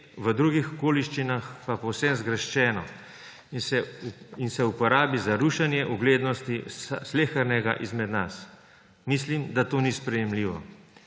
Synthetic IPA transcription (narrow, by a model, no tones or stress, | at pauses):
ʋəd̪ɾuɡixɔkoːliʃt͡ʃinaxpapɔwsɛnzɡɾəʃt͡ʃɛːnɔ̰ | insɛupɔɾaːbizaɾuʃanjɛʔuɡleːd̪nɔst̪isleːxəɾnɛɡaʔizmɛd̪nas | mislimd̪at̪oːnispɾɛjɛmliːʋɔ̰